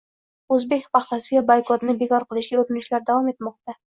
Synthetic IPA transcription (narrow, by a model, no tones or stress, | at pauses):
ɵzbekʲpɑχt̪asɪɡʲabajkɒt̪nɪbekɒɾqəlˠɪʃɡʲaɵɾɪnɪʃlaɾd̪awɒmet̪mɒq̚t̪a